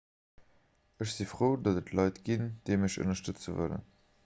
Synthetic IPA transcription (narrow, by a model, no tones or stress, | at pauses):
əɕz̥ifʁoːdɑzətlɑɪtɡ̥ind̥eɪməɕo̰nɐʃtət͡səvə̰lə̰n